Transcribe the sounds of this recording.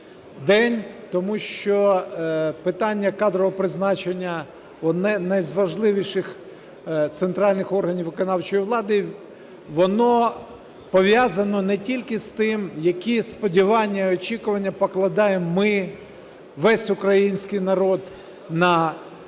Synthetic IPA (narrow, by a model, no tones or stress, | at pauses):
d̪ɛnʲt̪ɔmuʃt͡ʃɔ | pɪt̪ɑnʲːɐkɑd̪ɾɔɦɔpɾɪznɑt͡ʃenʲːɐ | ɔnɛnɐjzʋɐʒlˠɪʋʲiʃɪx | t̪sent̪ɾɑlʲnɪxɔrɦɐnʲiʋʋɪkɔnɑwt͡ʃɔjiʋlˠɑd̪ɪ | ʋɔnɔ | pɔʋʲjazɐnɔnɛtʲilʲkɪst̪ɪmjɐkʲispɔdʲiʋɑnʲːɐiɔt͡ʃʲikʊʋɐnʲːɐpɔklˠɐd̪ɑjemːɪ | ʋɛsʲʊkɾɐjinʲsʲkɪjnɐɾɔd̪ | nɐ